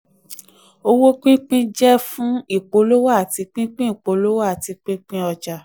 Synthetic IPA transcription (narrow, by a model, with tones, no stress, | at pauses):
o˧wo˦k͡pĩ˦k͡pĩ˦d͡ʒɛ˦fũ˦i˦˨k͡po˨˦lo˦wa˦a˨ti˨˧k͡pĩ˦k͡pĩ˦i˨k͡po˨˦lo˦wa˦a˨ti˨˧k͡pĩ˦k͡pĩ˦ɔ˧d͡ʒa˨